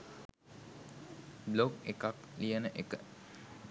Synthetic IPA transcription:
bloɡekaklijənəʔekə

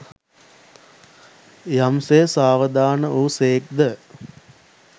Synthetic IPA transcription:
jamsesaːʋəd̪aːnəʔuːseːk̚d̪ə

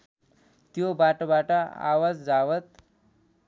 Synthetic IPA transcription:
t̪jobaʈbaʈaa̰ʋad͡zd͡zaʋət̪

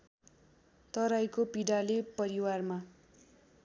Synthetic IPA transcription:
t̪ʌɾajkopiɽalepʌɾiwarma

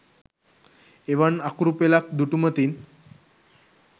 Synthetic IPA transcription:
eʋaɳakuɾupelak̚d̪uʈumət̪iːn

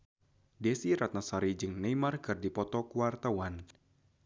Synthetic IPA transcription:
dɛsiɾat̪̚nasaɾid͡ʒɨŋnejmarkɨrdipɔt̪ɔkuwart̪awan

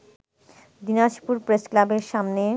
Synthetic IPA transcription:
d̪inaʃpuɾpɾesklabeɾʃamne

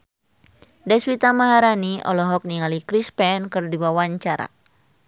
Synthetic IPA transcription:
dɛswit̪amaɦaɾaniʔɔ̰lɔɦɔk̚niŋalikɾispɛnkɨrdiwawaɲt͡ʃaɾa̰

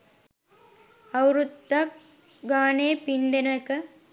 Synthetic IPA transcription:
ɐwɾut̪ːɐk | ɡaːneːpind̪ɐnɐkɐ

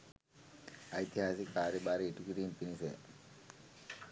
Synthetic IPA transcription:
ajt̪iɦasik̚paːɾebaːɾeːʈukiʈinpinise

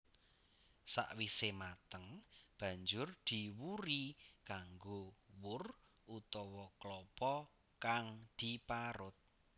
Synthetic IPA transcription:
sa̰ʔwisemat̪əŋb̥ä̤ɲd͡ʒʊrd̪̥i̤wuɾikaŋɡowʊr | ʔut̪ɔwɔklɔpɔ | kaŋd̪̥i̤paɾʊt̪̚

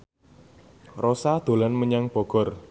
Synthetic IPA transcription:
rosad̪̥o̤lanməɲaŋb̥ɔ̤ɡ̥ɔ̤r

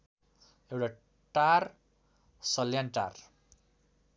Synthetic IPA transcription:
ewʈa | ʈar | sʌljanʈa̰r

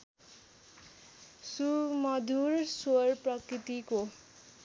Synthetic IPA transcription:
sumʌd̪ʱursorprʌkɾit̪iko

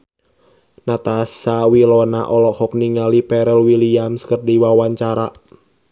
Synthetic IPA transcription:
nat̪asawilɔna̰ʔɔlɔhɔk̚niŋalipɛɾɛlwiliamskərdiwawaɲt͡ʃaɾa

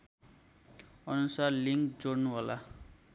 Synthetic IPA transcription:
ʌnusarliŋkd͡zornuɦola̰

